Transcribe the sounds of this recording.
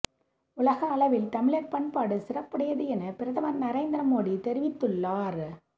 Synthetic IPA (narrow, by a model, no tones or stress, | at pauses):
ʊlɐɣɐːlɐʋɪlt̪ɐmɪɭɐpːɐɳpaːɽɯsɪrɐpːɐɽɐjɐðɯɛnɐpɪɾɐðɐʋɐɾnɐɾɐɪnd̪ɪɾɐmoːɽit̪ɛɾɪʋɪt̪ːɯɭːaːɾ